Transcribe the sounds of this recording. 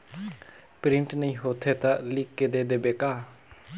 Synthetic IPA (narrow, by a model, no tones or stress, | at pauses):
pɾɪ̃ɳʈnəĩːɦoːt̪ʰet̪aʔlɪkːed̪eːd̪eːbeːkaː